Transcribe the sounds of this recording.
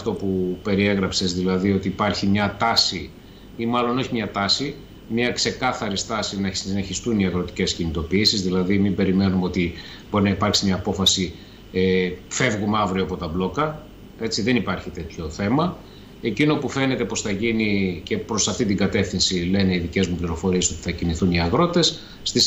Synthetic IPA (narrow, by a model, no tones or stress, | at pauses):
ft̪o̞pupe̞ɾie̞ɣɾɐpse̞zðilɐðio̞t̪iːpɐɾçimɲɐt̪ɐsi | imɐlo̞no̞çimɲɐt̪ɐsi | mɲɐkse̞kɐθɐɾist̪ɐsinɐsiine̞çist̪uniɐɣɾo̞t̪i̥ce̞scinit̪o̞piisizðilɐðimibe̞ɾime̞numeo̞t̪i | bo̞ɾinɐipɐɾksimɲɐːpo̞fɐsi | efe̞vɣumɐvɾioɐpo̞t̪ɐblo̞kɐ | e̞t͡siðe̞nipɐɾçit̪e̞t̪ço̞θe̞mɐ | e̞cino̞pufe̞ne̞t̪e̞po̞sθɐʝinice̞pɾo̞sɐft̪it̪̬iŋɡɐt̪e̞fθinsile̞ne̞iðice̞zmupliɾo̞fo̞ɾieso̞t̪iθɐciniθuniɐɣɾo̞t̪e̞sː | t̪is